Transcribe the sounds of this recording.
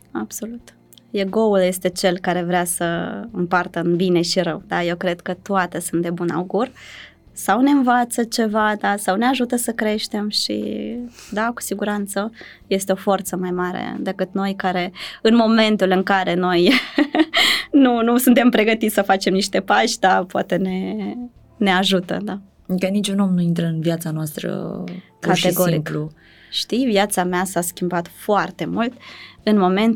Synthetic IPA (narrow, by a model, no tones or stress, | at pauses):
ab̥so̞lut̪ | jeɡo̞ulje̞st̪e̞t͡ʃe̞lkaɾe̞vɾeasəɨmpart̪əɨnbine̞ʃiɾəwd̪ajewkɾe̞d̪kət̪oat̪esunt̪d̪e̞buna̰wɡur | sawne̞ɨnvat̪sət͡ʃe̞vad̪asawneaʒut̪əsəkɾe̞ʃt̪e̞mʃḭd̪aku̥siɡuɾant̪sə | je̞st̪e̞o̞fo̞rt̪səmajmaɾḛd̪e̞kɨt̪no̞jkaɾe̞ɨnmo̞me̞nt̪ulɨŋkaɾe̞no̞j | nunusunt̪e̞mpɾe̞ɡət̪it̪sʲsəfat͡ʃe̞mniʃt̪e̞paʃd̪apoa̰t̪e̞ne̞ | ne̞aʒut̪ə̰d̪a | kənit͡ʃuno̞mnuint̪ɾəɨnvjat̪sanoast̪ɾə̰ | katʃeɡoɾɾimkplu | ʃt̪ijvjat̪sameasaskʲimbat̪foart̪e̞mult̪ɨnmo̞me̞nt̪